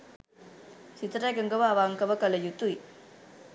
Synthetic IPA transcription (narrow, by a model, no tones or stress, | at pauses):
sit̪ɾajɡɐŋɡɐʋaːʋaːŋkɐʋɐkɐlɐjut̪uj